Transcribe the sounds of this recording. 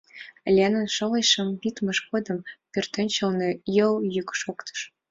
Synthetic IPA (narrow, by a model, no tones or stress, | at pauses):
lʲenə̆nʃɤ̆lɤjʃɤ̆mbit̪mɤ̆ʃɣod̪ɤ̆mpʲørt̪ɘ̆nʲt͡ɕɤ̆lnɤ̆jɤ̆ljykʃokt̪ɤ̥ʃ